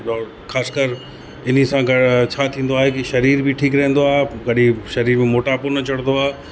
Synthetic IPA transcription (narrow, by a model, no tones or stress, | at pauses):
ɔː | xaːskəɾ | ɪn̤isãɡɐt͡ɕʰaːt̪ʰĩːn̆d̪oaːɦekiʃɐɾiːɾbʱɪʈʰiːkɾɐɦə̃n̆d̪oaːɦeɡɐɗĩʃɐɾiːɾmẽmoːʈapuːnɐt͡ɕɐɽ̃nd̪oaːɦe